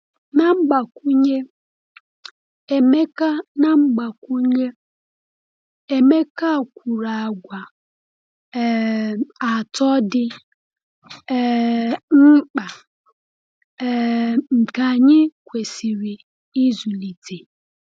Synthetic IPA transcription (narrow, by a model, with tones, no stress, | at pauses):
na˦ŋ͡m̩˦ɡ͡ba˨ku˦ɲe˦˨ | me˦ka˦na˦ŋ͡m̩˦ɡ͡ba˨ku˦ɲe˦ | e˨me˦ka˦˨kʷu˨ɾa˨a˨ɡʷa˨ | a˨tɔ˦dɪ˦˨ | m̩˦k͡pa˨ | ŋ͡m̩˨ka˨ɲɪ˦kʷe˨si˨ɾi˨ | i˦zu˨li˨tʰe˨